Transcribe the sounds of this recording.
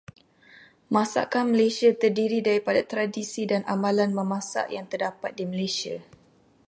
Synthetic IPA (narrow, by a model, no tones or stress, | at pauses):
mãsa̰ʔkanməlesiat̪ərdiɾidaɾipadat̪ɾadisidanʔamãlanməmãsa̰ʔjaŋt̪ərdapat̪̚diməlesia